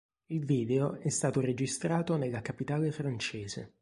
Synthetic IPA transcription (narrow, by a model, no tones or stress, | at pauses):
ilviːd̪eoɛst̪aːt̪ored͡ʒist̪ɾaːt̪onelːakapit̪aːlefɾant͡ʃeːzḛ